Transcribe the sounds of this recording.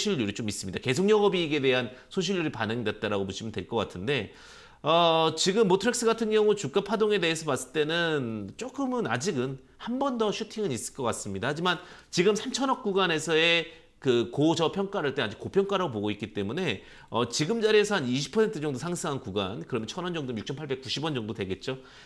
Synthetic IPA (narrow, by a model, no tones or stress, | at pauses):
ɕʰiʎːuɾit͡ɕomis͈ɯmɲid̥ake̞s̬ʰoŋɲjʌɡʌbiːɡe̞de̞ɦansʰonɕ̬ʰiʎjuɾipanɯŋidwet̚t͈aɾaɡomuɕʰimɯntwe̞ɭk͈ʌk͈atʰɯnde̞ | ʌt͡ɕiɡɯmːotʰɯɾeks͈ɯɡatʰɯnɡjʌŋut͡ɕuk͈apʰadoŋe̞de̞ɦesʰʌmas͈ɯ̥ɭt͈e̞nɯnt͡ɕ͈ok͈ɯmɯnad͡ʑiɡɯn | hambʌndʌɕʰutʰiŋɯnis͈ɯ̥ɭk͈ʌk͈as͈ɯmɲidahad͡ʑimant͡ɕiɡɯmsʰamt͡ɕʰʌnʌk̚k͈uɡane̞sʰʌe̞ | kɯkod͡ʑʌpʰjʌŋk͈aɾaɭt͈ead͡ʑikːopʰjʌŋk͈aɾaɡop̬oɡoik͈it͈e̞mune̞ | ʌt͡ɕiɡɯmd͡ʑaɾiesʰʌhaniɕʰi̥pʰʌentʰɯd͡ʑʌŋdosʰaŋsʰɯŋɦankuɡankɯɾʌmjʌt͡ɕʰʌnʌnd͡ʑʌŋdomjuk̚t͡ɕʰʌmpʰaɭbe̞k͈uɕʰibwʌnd͡ʑʌŋdodwe̞ɡe̞t̚t͡ɕ͈o